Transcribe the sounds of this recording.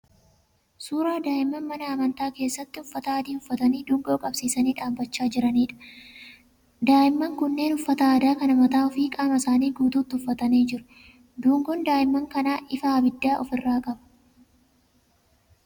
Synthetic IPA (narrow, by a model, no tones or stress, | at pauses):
suːɾaːd̪aːʔɪmːɐnmɐnɐːmɐnt̪aːke̞ːsːɐt̪ːɪʊfːɐt̪ɐːd̪iːhʊfːɐt̪ɐniːd̪uːŋɡo̞ːkʼɐbsiːsɐniːᶑaːmbɐt͡ʃːaːd͡ʒɪɾɐniːᶑɐ̥ | d̪aːʔɪmːɐŋkʊnːe̞ːnʊfːɐt̪ɐaːd̪aːkɐnɐmɐt̪aːɔfiːkʼaːmɐsaːniːɡuːt̪uːt̪ːɪʊfːɐt̪ɐneːd͡ʒɪɾʊ̥ | d̪uːŋɡɔnd̪aːʔɪmːɐŋkɐnaːʔɪfɐɐbɪd̪ːaːʔɔfɪrːaːkʼɐbɐ̥